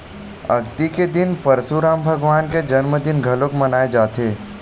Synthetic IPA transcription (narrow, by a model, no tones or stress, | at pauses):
ɐɡt̪iked̪ɪnpɐɾsuɾaːmbʱɐɡʋaːnked͡ʒɐnməd̪ɪnɡʱɐlokmɐnaːed͡ʒaːt̪eː